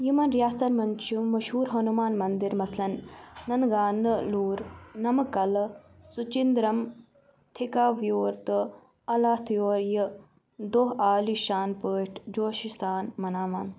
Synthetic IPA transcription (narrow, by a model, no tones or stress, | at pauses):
jimɐnɾjaːsɐnmɐnt͡ʃʰumɐʃɦuːɾɦɐnumaːnmɐnd̪iɾmɐslɐnːɐnɡaːnɨluːɾnɐmɐkɐl | sut͡ʃind̪ɾɐm | t̪ʰikaːʋjoːɾt̪ɨ | ɐlaːt̪ʰjoːɾjɐ | d̪oɦaːliʃaːnpəːʈʰd͡ʒoːʃist̪aːnmɐnaːʋaːn